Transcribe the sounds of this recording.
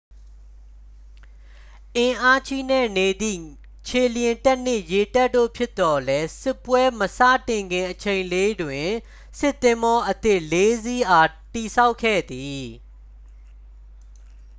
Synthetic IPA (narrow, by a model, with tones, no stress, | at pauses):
ʔɪ̃˨ʔa˦t͡ɕʰi˦˨nɛ̰˦˨ne˨d̪ḭ˦˨ | t͡ɕʰe˨ljɪ̃˨ntə˦ʔn̥ɪ˦˨ʔje˨ta˦ʔtːo̰˦˨pʰjɪ˦t̪ːɔ˨lɛ˦sɪ˦˨pːwɛ˦məsa̰˦˨tɪ̃˨ŋɡɪ̃˨ʔət͡ɕʰẽ˨ɪ̃le˦dwɪ̃˨ | sɪ˦t̪ːɪ̃˦mbɔ˦ʔət̪ɪ˦˨ʔle˦zi˦ʔa˨ | ti˨sa˦ʊkʰːɛ̰˦˨d̪i˨